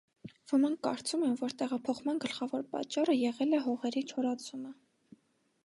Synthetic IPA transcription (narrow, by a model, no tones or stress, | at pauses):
vəmɑŋk̚ʰkɑ̰ɾt͡sumɛmvɔɾt̪ɛʁɑpʰɔχmɑnɡəlχɑvɔɾpɑ̰t͡ʃːɑrəjɛʁɛlɛɦɔʁɛɾit͡ʃʰɔɾɑt͡sʰumə